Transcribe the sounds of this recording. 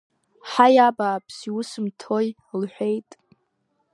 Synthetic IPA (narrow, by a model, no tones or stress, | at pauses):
ħajabaːpʰsiwʊsɨmtʰoj | lħʷᶣe̞jtʼ